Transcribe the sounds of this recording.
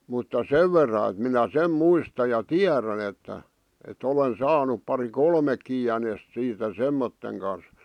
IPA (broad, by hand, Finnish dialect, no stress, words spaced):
mutːɑ seʋ ʋerːɑ et minæ sem muistɑ jɑ tiæræn etːæ et olen sɑːnup pɑri kolmekːi jænest siːtæ semːotːeŋ kɑn̞s